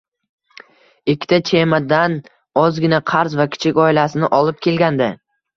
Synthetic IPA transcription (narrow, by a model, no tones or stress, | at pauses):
ɪkʲʰːɪ̥t̪ʰat͡ʃʰemad̪an | ɒzɡʲɪnaqʰaɾzvakʲʰɪ̥t͡ʃʰɪkʲɒɪlasɪnɪʔɒlˠɪp̚kʲʰe̞lɡʲand̪ɪ